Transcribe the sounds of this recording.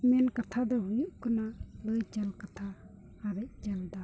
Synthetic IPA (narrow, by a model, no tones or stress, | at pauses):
mɛnkat̪ʰad̪ɔɦujuʔkunaləjd͡ʒalkat̪ʰaː | ɾac̚d͡ʒald̪a